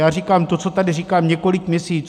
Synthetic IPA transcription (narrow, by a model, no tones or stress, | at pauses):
jaːrikaːmt̪ot͡so̞t̪adɪriːkaːmɲɛko̞lɪkmʲɲɛsiːt͡s